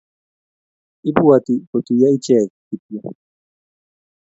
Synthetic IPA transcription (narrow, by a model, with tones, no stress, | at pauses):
i˦bu˦a˨ti˨ko˨tu˨ja˦i˦t͡ʃɛ˦˨k̚ː | i˨pja˦